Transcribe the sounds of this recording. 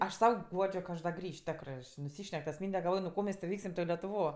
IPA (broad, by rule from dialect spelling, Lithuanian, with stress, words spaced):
ˈɐʃ ˈsɐʊ ˈɡuɔd͡ʒʲoː kɐ ˈɐʃ dɐ ˈɡrʲiːʃ ˈtʲæːkrɜ nʊˈsʲiːʃʲnʲɛk tɐs ˈmʲiːnʲdʲɛ ɡɐlˠˈʋoːj nʊ ˈkoː mʲɛs tʲeː ˈʋʲɛɪksʲɪm lʲɛtʊˈʋoː